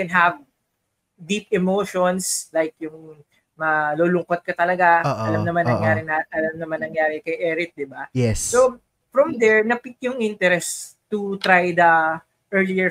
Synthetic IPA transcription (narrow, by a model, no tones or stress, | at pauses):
ɛnɦɐv | d̪ip̚ɛmoʃonslajkjʊŋ | mɐloːlʊŋkot̪̚kɐt̪ɐlɐɡaʔɐlɐmnɐmanːɐŋjaːɾɪnaʔɐlɐmnɐmanːɐŋjaːɾɛkɐjʔɛːɾɪt̪̚d̪ɪbajɛsso | fɹɐmd̪ɛɹnɐpɪk̪̚jʊŋʔɪnt̪ɛɾɛst̪ʊt̪ɾajd̪ɐ | ʔɛɹliɛ